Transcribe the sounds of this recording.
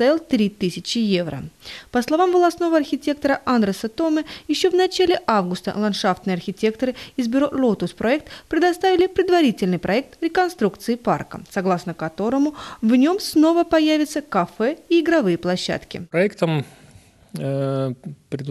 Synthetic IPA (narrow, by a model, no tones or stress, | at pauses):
t̪avʲɪlˠt̪ɾʲit̪ɨsʲɪt͡ɕɪjevɾə̰pəslˠɐvamvəlˠɐsno̞vəɐrxʲɪtʲe̞kt̪əɾəʔand̪ɾəsət̪o̞məjɪɕːo̞vnɐt͡ɕælʲɪʔavɡʊst̪ə̰lˠɐnʂaft̪nɨjɐrxʲɪtʲe̞k̚t̪əɾɨɪzbʲʊɾo̞lˠot̪ʊspɾʔɐɛk̚t̪pɾʲɪd̪ɐst̪avʲɪlʲɪpɾʲɪd̪vɐɾʲitʲɪlʲnɨjpɾʔɐɛk̚t̪ɾʲɪkɐnst̪ɾukt̪sɨɪːpa̰rkə̰sɐɡlˠasnəkɐt̪o̞ɾəmʊvnʲo̞msno̞vəpɐjævʲɪt̪səkɐfɛiɪɡɾɐvɨjəplˠɐɕːa̰t̪kʲɪ̰pɾɐɛkt̪əm | pɾʲɪd̪